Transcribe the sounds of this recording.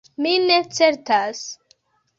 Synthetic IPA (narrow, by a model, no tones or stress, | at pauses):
mine̞t͡se̞ɾtas